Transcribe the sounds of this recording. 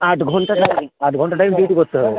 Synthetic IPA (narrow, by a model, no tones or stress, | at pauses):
aʈɡʱɔɳʈaʈamaʈɡʱɔɳʈaʈajmdiʈukɔtt̪ʰɦɔbe